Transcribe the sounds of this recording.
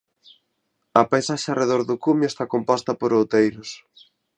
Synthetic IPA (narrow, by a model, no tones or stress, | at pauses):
ɐpajsaʃareðoɾðʊkumjʊest̪akompɔst̪ɐpoɾowt̪ejɾʊs